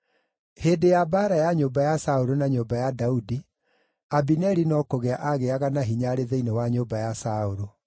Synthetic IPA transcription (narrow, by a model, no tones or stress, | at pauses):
hedejabaɾajaɲoːbajasaoɾonaɲoːbajadaudi | abinɛɾinɔkoɣeaʔaɣeaɣanaɦiɲaɾeðeinewaɲoːbajasaoɾo